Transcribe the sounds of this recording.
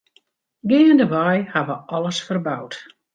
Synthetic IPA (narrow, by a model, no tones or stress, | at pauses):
ɡɪːəndəʋɔjhaʋəɔləsfərbawt